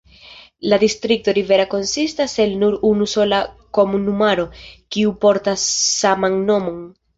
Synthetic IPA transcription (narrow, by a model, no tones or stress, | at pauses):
ladistɾik̚to̞ɾive̞ɾako̞nsistaselnuɾunuso̞lako̞munumaɾo̞kiupo̞ɾtasːamanːo̞mo̞n